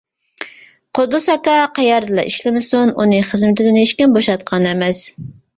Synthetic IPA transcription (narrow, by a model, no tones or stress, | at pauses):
qod̪ʊsɑkɑqɑjɑɾd̪ɨlˠɑ̰ʔiʃlɪmɪsununɨχəzmɪt̪ʰɪd̪ɪneʃkʲɪnboʃɑt̪̚qʰɑnɛmɛs